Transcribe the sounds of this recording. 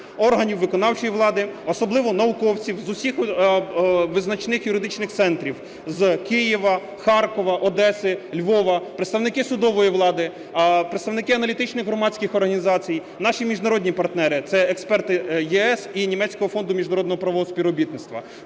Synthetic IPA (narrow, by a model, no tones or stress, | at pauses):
ɔrɦɐnʲiwːɪkɔnɑwt͡ʃɔjiʋlˠɑd̪ɪɔsɔblˠɪʋɔnɐʊkɔwt͡sʲiwzʊsʲix | ʋɪznɐt͡ʃnɪxjʊɾɪd̪ɪt͡ʃnɪxt̪sɛnt̪ɾʲiw | zkɪjiʋɐ | xɑrkɔʋɐʔɔd̪ɛsɪlʲʋɔʋɐpɾet̪st̪ɐwnɪkɪsʊd̪ɔʋɔjiʋlˠɑd̪ɪ | pɾet̪st̪ɐʋnɪkɪɐnɐlʲit̪ɪt͡ʃnɪxɣɦɾɔmɑt͡sʲkɪxɔrɦɐnʲizɑt͡sʲij | nɑʃimʲiʒnɐɾɔdʲnʲipɐrt̪nɛɾɪt̪sɛɛkspɛrt̪ɪjɛɛsinʲimɛt͡sʲkɔɦɔfɔnd̪ʊmʲiʒnɐɾɔd̪nɔɦɔpɾɐʋɔɦɔspʲiɾɔbʲit̪nɪt̪st̪ʋɐ